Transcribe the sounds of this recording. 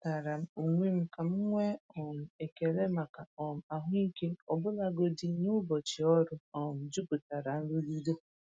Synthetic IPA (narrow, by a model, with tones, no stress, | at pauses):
ta˨ɾa˨m̩˦u˨ŋʷe˦m̩˦ka˨m̩˦ŋʷe˦ɔ˨m̩˨e˨ke˨ɾe˦ma˨ka˨ɔ˨m̩˨a˨ɦʊ˦i˦ke˦ɔ˨bʊ˦la˦ɡo˦di˦nu˦bɔ˨t͡ʃɪ˨ɔ˦ɾʊ˦ɔ˨m̩˨d͡ʒu˦bʊ˨ta˨ɾa˨n̩˦dʊ˦li˦de˦